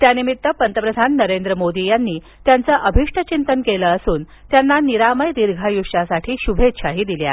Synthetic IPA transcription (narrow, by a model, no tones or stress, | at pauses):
t̪janimit̪ːəpənt̪əpɾəd̪ʱanːəɾend̪ɾəmod̪ijanːiː | t̪jant͡səʔəbʱiʂʈʰət͡ɕint̪ənkeləːsuːn | t̪janːaniɾaməjd̪iɾɡʱajuʂasaʈʰiːɕubʱet̪ɕaɦiːd̪ilja̰